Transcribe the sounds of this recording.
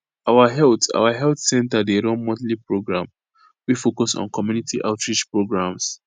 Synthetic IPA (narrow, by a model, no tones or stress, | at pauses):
awaɦɛlta̰waɦɛltsɛ̃ntadeɾɔ̃nmɔdlipɹoɡɹã̰m | wifokɔsɔ̰̃nkɔmjunitiʔaʊtɹid͡ʒpɹoɡɹãms